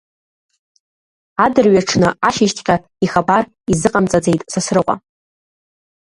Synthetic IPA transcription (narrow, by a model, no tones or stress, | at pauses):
adɨrɥaʈ͡ʂʰnɨaʃiʃtʰʼkʲʼa | iχabar | izɨqʼamt͡sʼad͡ze̞jtʼsasrɨqʷʼa̰